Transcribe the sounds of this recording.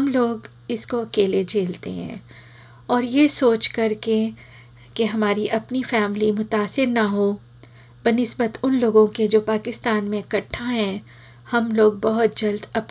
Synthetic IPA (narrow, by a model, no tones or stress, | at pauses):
ɦɐmloːɡ | ɪskoɐkeːled͡ʒʱeːlt̪ḛɦɛ̰̃ː | ɔːɾjesoːt͡ʃkɐɾke | keɦɐmaːɾiʔɐpnifɛːmlimʊt̪aːsɪɾnɐɦoː | bɐnɪsbət̪ʊnloːɡõked͡ʒoːpaːkɪst̪aːnmẽkɐʈʰːaɦɛ̃ː | hɐmloːɡ̚bɐɦʊt̪̚d͡ʒɐld̪ɐp